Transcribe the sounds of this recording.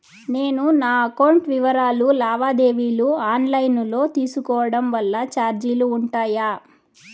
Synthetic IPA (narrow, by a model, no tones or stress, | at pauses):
ne̞ːnunaːɐkɐwɳʈʋiʋɐɾaːlulaːʋaːd̪e̞ːʋiːluaːnlɐjnlo̞ːt̪iːsukɔːʋɐɽɐmʋɐlːɐt͡ʃaːɾd͡ʒiluːɳʈaːjaː